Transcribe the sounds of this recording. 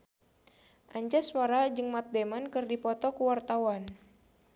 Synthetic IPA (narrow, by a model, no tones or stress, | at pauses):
ʔaɲd͡ʒaswaɾad͡ʒɨŋmat̪̚demankɨrdipɔt̪ɔkəwart̪awan